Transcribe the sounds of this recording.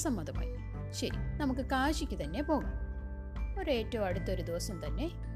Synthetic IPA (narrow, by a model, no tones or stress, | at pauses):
sɐmːɐd̪ɐma̰ːji | ɕɐɾḭnɐmukːɨkaːɕikʲːɨt̪ɐnːe̞po̞ːɣum | o̞ɾe̞ːtːɐʋmɐɽut̪ːɐo̞ɾud̪iʋɐsɐmt̪ɐnːe̞